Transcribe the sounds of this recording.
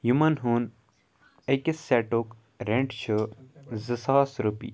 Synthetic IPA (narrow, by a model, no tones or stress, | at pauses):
jumɐnɦun | ekisːɛʈok | ɾẽɳʈt͡ʃʰəzɨsaːsɾupḭ